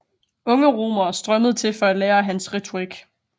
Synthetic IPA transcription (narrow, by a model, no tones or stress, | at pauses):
ɔ̽ŋəʁo̝̰ːmɐsd̥ʁɶməð̞̩ˠt͡sʰe̝lfɒ̽æd̥leːɐɦænsʁɛt͡sʰo̝ʁiɡ̥